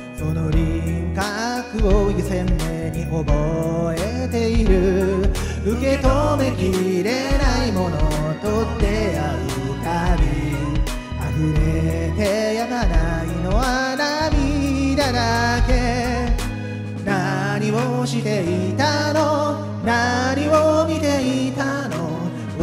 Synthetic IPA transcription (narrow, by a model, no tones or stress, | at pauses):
sonoɾʲiŋkakɯ̟oisẽ̞nːeɲ̟iʔoboe | t̪e̞iɾɯ̟ | ɯke̞t̪o̞me̞kʲiɾe̞naimo̞no | t̪o̞d̪e̞a | ɯ | t̪amʲi | aɸɯ̟ɾet̪e̞jamanaino̞βanamʲid̪ad̪ake̞ | naɲ̟imoɕit̪e̞it̪ano̞ | naɲ̟imomʲit̪e̞it̪ano